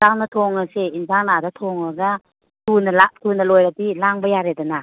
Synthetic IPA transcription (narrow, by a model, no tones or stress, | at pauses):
zaŋnɐtʰoŋɐseinzaŋnadatʰoŋɔda | tʰunɐlatʰunɐlojɾadilaŋbɐjaɾedana